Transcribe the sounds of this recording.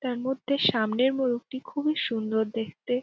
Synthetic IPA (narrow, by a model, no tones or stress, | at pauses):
t̪aɾmod̪ʱːeʃamneɾmoluk̚ʈikʰubiʃund̪oɾd̪ekʰt̪e